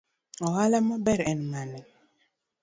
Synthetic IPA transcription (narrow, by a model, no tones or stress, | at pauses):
ɔhalamɔbɛɾɛnmanɛ